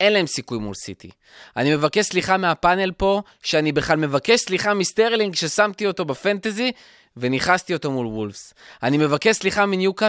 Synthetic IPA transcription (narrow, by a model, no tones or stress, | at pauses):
e̞nlae̞msikujmṵlsḭt̪ḭ | ʔanime̞vake̞ʃsliχameapane̞lpo̞ | ʃeanibeχlalme̞vakeʃsliχamist̪eʁliŋɡʃe̞samt̪io̞to̞befant̪ezi | ve̞niχast̪io̞t̪omulwulfsanime̞vakeʃsliχaminjuka